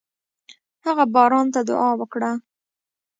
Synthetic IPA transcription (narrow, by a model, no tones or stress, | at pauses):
haɣabɑɾɑnt̪ad̪ʊ̰ʔɑwəkɽa